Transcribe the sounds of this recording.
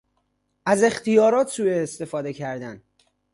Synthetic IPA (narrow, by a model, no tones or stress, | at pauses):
æze̞xt̪ijɒːɾɒːt̪ʰsuːjeːst̪e̞fɒːd̪e̞cʰæɾd̪æn